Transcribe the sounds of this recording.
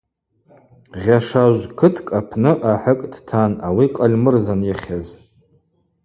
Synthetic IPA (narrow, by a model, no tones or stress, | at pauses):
ʁʲaʂaʒʷkʰɨtʰkʼapʰnɨʔaħəkʼdtʰanawiqʼalʲmɨrzanjaχʲaz